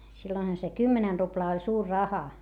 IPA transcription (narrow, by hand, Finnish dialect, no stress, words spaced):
silːoinhɑ se kymːenɛn ruplɑː olʲ suːr rɑhɑ